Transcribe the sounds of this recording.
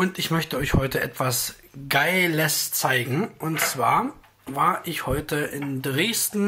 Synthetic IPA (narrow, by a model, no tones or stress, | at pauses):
ʔʊntɪçmœçtəɔʏçhɔʏtəʔɛ̰tv̥as | ɡ̥aɪləst͡saɪɡŋ̩ʔʊntt͡sv̥aːɐ | vaːɐʔɪçhɔʏtʰəʔɪndʁeːstn̩